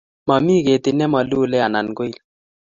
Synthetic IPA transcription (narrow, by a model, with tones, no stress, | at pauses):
ma˨mi˦ke˨t̪e˨nɛ˦ma˨lu˦lɛ˦a˨na˨nɡo˦i˦˨l